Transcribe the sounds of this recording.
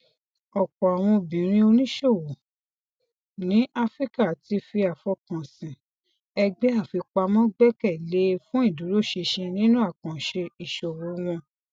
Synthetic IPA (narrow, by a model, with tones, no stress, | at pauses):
ɔ˨kɔ˨a˨w̃ɔ̃˧bĩ˨˦ɾ̃ĩ˧˦o˧nĩ˦ʃo˦˨wo˨ | nĩ˨˦ʔa˦fɾi˦ka˦˨ti˧fi˧a˨fɔ˧kã˨sĩ˨ | ɛ˧ɡ͡be˦a˦˨fi˧k͡pa˧mɔ̃˦ɡ͡bɛ˦kɛ˦˨le˨˦fũ˦i˦˨du˨˦ɾo˦˨ʃe˧ʃe˧nĩ˦nũ˦a˦˨kã˨ʃe˧i˨ʃo˨wũ˨˦w̃ɔ̃˧